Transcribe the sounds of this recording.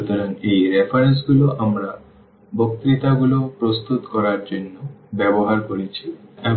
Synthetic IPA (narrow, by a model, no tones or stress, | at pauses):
ut̪ɔɾanejɾepʰaɾens̬ɡuloʔamɾa | bok̚t̪ɾit̪aɡulopɾost̪ut̪kɔɾaɾd͡ʑonːobɛboɦaɾkoɾit͡ɕʰiɛ